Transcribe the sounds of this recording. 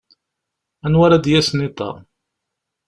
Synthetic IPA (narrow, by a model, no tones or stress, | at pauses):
ænwaɾæd̪jæsnit̪ˤɑ̰